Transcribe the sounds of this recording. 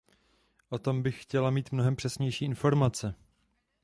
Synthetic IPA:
ʔo̞t̪o̞mbɪxxcɛlamiːt̪mnoɦɛmpr̝̥ɛsɲɛjʃiːʔɪnfo̞ɾmat͡sɛ

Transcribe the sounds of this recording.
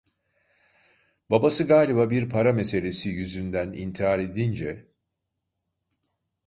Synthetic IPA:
babasɯɡaːlʲibabiɾpʰaɾame̞se̞lʲe̞sijyzynd̪ænḭnt̪ʰiɦaɾe̞d̪ind͡ʒɛ

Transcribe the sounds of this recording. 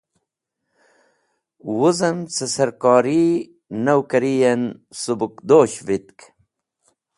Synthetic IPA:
wuzɐnt͡sɐsɐɾkɑːɾi | nɐwkɐɾijensubukd̪oːɕvit̪̚k

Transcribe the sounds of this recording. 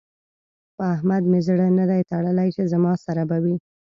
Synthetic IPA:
pəahmad̪mezɽənəd̪ajt̪aɽəlajt͡ʃezamɑsaɾabawi

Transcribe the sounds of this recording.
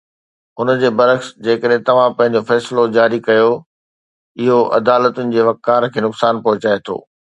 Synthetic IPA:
ʊnəd͡ʑeːbɐɾəxsd͡ʑeːkəɗɦɪ̃t̪ɐʋ̤ãpɐ̃ɦɪ̃ɲ̆d͡ʑofɛːslod͡ʑaːɾikɐjo | ɪɦoʔɐ̰d̪aːlət̪ʊnɪ̆d͡ʑeːʋɐkkːaːɾkʰeːnʊksaːnpɐɦʊt͡ɕaːet̪ʰo̰ː

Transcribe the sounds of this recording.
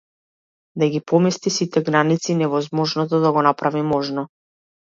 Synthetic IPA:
d̪aɡʲipɔmɛst̪isit̪ɛɡɾanit̪sinɛvɔzmɔʒnɔt̪̬ɔd̪aɡɔnapɾavimɔʒnɔ

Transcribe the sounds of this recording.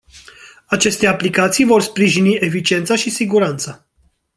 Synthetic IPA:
at͡ʃe̞st̪e̞aplikat̪sijvo̞rspɾiʒinie̞fit͡ʃie̞nt̪saʃisiɡuɾant̪sə

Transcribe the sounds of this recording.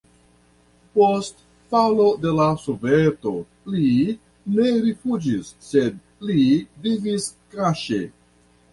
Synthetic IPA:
post | falo̞de̞lasoveto̞ | li | ne̞ɾifud͡ʒisːed̪̚ | liviviskɾaʃḛ

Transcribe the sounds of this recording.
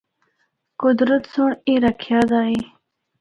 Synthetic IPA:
kʊd̪ɾət̪soɳiɾakʰjɑːd̪ɑːi

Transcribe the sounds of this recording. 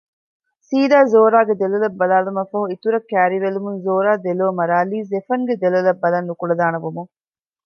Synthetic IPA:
siːd̪aːzoːɾaːɡed̪elɐlɐbːɐlaːlumɐfɐɦuit̪uɾɐkːæːɾiʋelumunzoːɾaːd̪eloːmɐɾaːliːzefɐŋɡed̪elɐlɐbːɐlɐnːukuɽɐd̪aːnɐbumuŋ

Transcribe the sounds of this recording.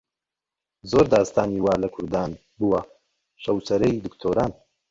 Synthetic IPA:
zoːɾd̪aːst̪ʰaːniwaːlɐkʰʊɾd̪aːn | buwɐ | ʃɐwt͡sɐɾɛjd̪ɨkt̪ʰoːɾaːn

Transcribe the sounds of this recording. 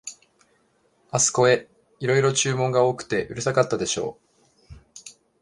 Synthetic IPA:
asɨ̥ko̞e̞ | iɾo̞iɾo̞t͡ɕɨːmõ̞ŋɡao̞ːkɯ̟̥t̪e̞ʔɯ̟ɾɯ̟sakat̪ːad̪e̞ɕo̞̰ː

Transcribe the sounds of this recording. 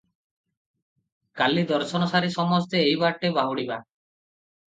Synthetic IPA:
kalid̪ɔɾsɔnɔsaɾisɔmɔst̪eːjbaɾʈebaɦuɽiba

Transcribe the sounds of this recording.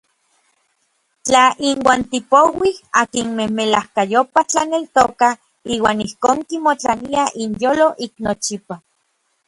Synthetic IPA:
t͡ɬaʔinwaːnt̪ipowihakinmehmelahkajopat͡ɬanelt̪oka | iːwaːnihkoːŋkimot͡ɬaniaʔinjoːloʔiknot͡ʃipa

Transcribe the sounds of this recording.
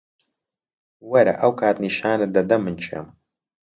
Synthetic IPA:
wɐɾɐ̰ʔɐwkʰaːt̪niʃaːnɐd̪ɐd̪ɐmːɨnt͡ʃʰḛm

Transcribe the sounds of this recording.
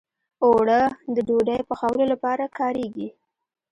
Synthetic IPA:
oɽəd̪əɖoɖajpəxawəlolapɑɾakɑɾeɡi

